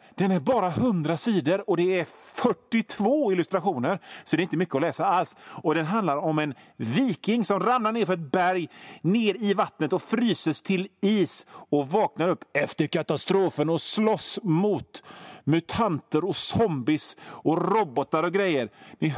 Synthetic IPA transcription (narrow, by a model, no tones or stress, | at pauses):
d̪̥ɛnæɾbɑːɾahɵnd̪ɾasiːd̪əɾɔd̪ɛæɾfœʈːɪt̪ʰvoːɪlɵst̪ɾaɧuːnəɾsɔd̪ɛɾɪnt̪əmʏkːəɔlɛːsaalsɔd̪ɛnɦand̪laɾɔmɛnviːkɪŋsɔmɾamnaɳeːɾfœɾɛt̪̚bæɾjneːɾɪvat̪ːnət̪ɔfɾyːsəst̪ʰɪliːsɔvɑːknaɾɵpːɛft̪əɾkʰat̪ast̪ɾoːfənɔslɔsːmʊt̪mɵt̪ʰant̪əɾɔsɔmbɪsɔɾɔbɔt̪aɾɔɡɾɛjːəɾnɪ